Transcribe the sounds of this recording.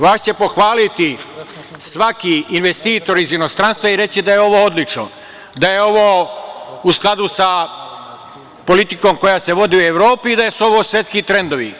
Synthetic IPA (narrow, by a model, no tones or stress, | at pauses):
ʋaːʃt͡ɕe̞po̞xʋaːlit̪i | sʋakiːnʋe̞st̪iːt̪o̞ɾizjenost̪ɾanst̪ʋaiɾe̞t͡ɕid̪ajeo̞ʋoːod̪lit͡ʃno̰ | d̪ajeo̞ʋoː | usklˠad̪usa | po̞lit̪ikoːmko̞jase̞ʋo̞d̪iueʋɾo̞ːpiːd̪ajesuo̞ʋosʋjet̪skit̪ɾe̞nd̪oʋḭ